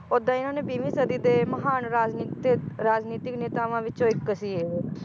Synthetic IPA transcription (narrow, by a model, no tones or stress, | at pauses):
ʊd̪ãːɪnãːneːbiːʋiːsəd̪iːd̪eːməɦaːnɾaːd͡ʒniːt̪eɾaːd͡ʒniːt̪ɪkneːt̪aːʋãːʋɪt͡ʃõːɪkːəsiːeːʋeː